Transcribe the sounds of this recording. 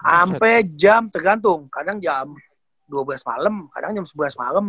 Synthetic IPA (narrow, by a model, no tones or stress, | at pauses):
ampɛd͡ʒamt̪ərɡant̪̬ʊŋkadaŋd͡ʒam | duabəlasma̰ləmka̰daŋd͡ʒamsəbəlasma̰ləm